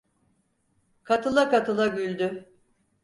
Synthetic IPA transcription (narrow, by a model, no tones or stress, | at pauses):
kʰat̪ʰɯlˠakat̪ʰɯlˠabylʲd̪y